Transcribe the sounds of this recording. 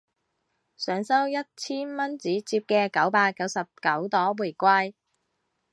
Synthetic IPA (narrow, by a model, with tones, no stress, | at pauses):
sœː˨˥ŋsɐ˥wjɐ˥t̚t͡sʰiː˥nmɐ˥nt͡siː˨˥t͡siː˧p̚kɛː˧kɐ˨˥wpaː˧kkːɐ˨˥wsɐ˨p̚kɐ˨˥wt̪ɔː˨˥wu˨˩jkʷaː˧j